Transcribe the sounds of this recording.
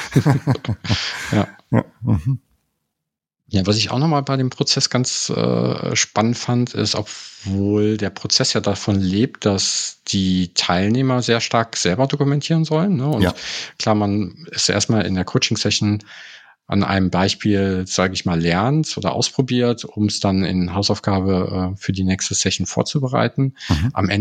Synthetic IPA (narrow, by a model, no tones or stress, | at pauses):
jaː | jaːvasɪça̰ʊxnɔχmaːlbaɪdeːmpʁ̥ot͡sɛsɡ̥ant͡sʔɛ̰ːʃpanəntfanəntʰɪ̰stɔ̰pv̥oːldeːɐpʁ̥ot͡sɛsjaːdafɔnleːp̚t̚d̥asd̥iːtʰaɪlneːmɐzeːɐʃtaɐkz̥ɛlbɐdokumɛntʰiːʁənzɔlənːəʊntkl̥aːmanɪstʔḛɐstmaːlɪ̰ndeːɐkʰoʊt͡ʃɪŋsɛʃn̩ | ʔa̰nʔa̰ɪnəmbaɪʃpiːlz̥aːɡəɪçmaːlːɛɐntʔo̰ːdɐ̰ʔa̰ʊspʁ̥obiːɐtʊmsd̥anɪ̰nɦaʊsaʊfɡ̥aːbəʔɛːfyːɐdiːnɛːkstəsɛʃn̩fo̰ːɐt͡subəʁa̰ɪtn̩ʔa̰mʔɛə